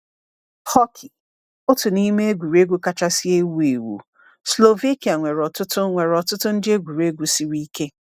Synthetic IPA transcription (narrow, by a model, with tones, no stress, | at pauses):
hɔ˦kʰɪ˨ | ʊ˦tʊ˨ni˦me˦e˦ɡʷu˨ɾe˦ɡʷu˦ka˦t͡ʃa˦si˦e˦wu˦e˨wṵ˨ | slo˨ve˦ki˨a˨ŋʷe˨ɾɔ˨tʊ˦tʊ˦ŋʷe˨ɾɔ˨tʊ˦tʊ˦n̩˦dɪ˦e˦ɡʷu˨ɾe˦ɡʷu˦si˦ɾi˦ke˦